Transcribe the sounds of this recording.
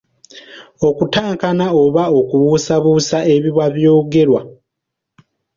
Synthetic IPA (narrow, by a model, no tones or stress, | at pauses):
okutaːŋkanao̞βao̞kuβuːsaβuːsae̞βiβwaβjo̞ːɡe̞ɾwa